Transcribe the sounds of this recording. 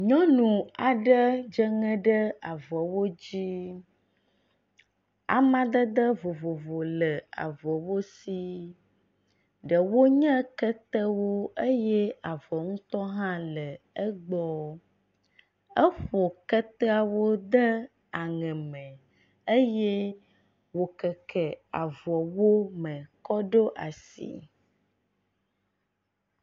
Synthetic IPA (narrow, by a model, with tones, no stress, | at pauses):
ɲɔ̃˦nũ˨a˨ɖə˦d͡ʒə˦ŋɛ̃˦ɖə˦a˨vɔ˨wo˦d͡ʑi˦ | a̰˨mã˦d̪ə˦d̪ə˦vo˨vo˨vo˨lə˨a̰˨vɔ˨wo˦si˦ | ɖə˨wo˦ɲə̃˦kə˦t̪ə˦wo˦ə˦jɛ˦a˨vɔ˨ŋũ˦t̪ɔ˦ɦã˦lə˨ | ə˦ɡ͡bɔ˦ | ə˦ɸɔ˨kɛ˦t̪ɛ˦a˦wo˦d̪ə˦ | a˨ŋɛ̃˨mɛ̃˨ | e˦jɛ˦ | wo˦kɛ˨kʰɛ˨a˨vɔ˨wo˦mɛ̃˨kɔ˦ɖo˦ʔa˨sḭ˨